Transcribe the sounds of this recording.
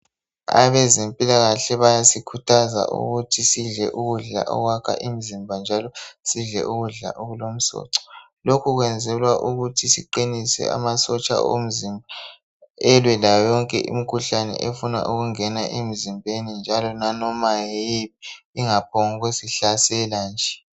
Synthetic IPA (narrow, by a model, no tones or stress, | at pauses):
a̰βɛzempʼilaɣaɬɛβajasikʰutʰaza̰ʔṵɣutʰisiɮɛʔuɣuɮa̰ʔɔ̰ɣwakʰa̰ʔimizimbʱand͡ʒʱalɔsiɮɛ̰ʔuɣuɮa̰ʔoɣulom̩sɔ̰ːǀɔ̥ | lokʰuɣwɛnd͡zʱɛlwaʔuɣutʰisiǃinisɛ̰a̰masɔt͡ʃʼa̰ʔo̰m̩zimbʱa | ɛlwɛlajɔŋkʼɛʔḭm̩kʰuɬanɛ̰ʔefuna̰ʔuɣuŋɛnaʔemizimbʱenind͡ʒʱalɔnanɔmajejiβiiŋapʰoŋɣusiɬasɛland͡ʒʱɛ